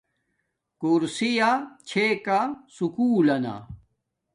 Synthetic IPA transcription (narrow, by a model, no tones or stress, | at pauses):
kuɾsijat͡ɕʰekasukuːlɐna̰